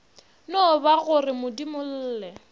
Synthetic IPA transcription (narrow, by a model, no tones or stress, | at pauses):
nɔbaɣʊrɪmʊdimʊl̩ːlɛ